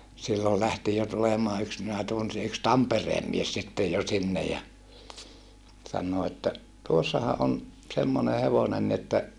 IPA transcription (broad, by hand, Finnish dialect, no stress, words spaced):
silːol læhti jo tulemɑː yks minæ tunsi yks tɑmpereːm mies sitːej jo sinːej jɑ sɑnːoː etːæ tuosːɑhɑ ʔon semːone heʋonen ni etːæ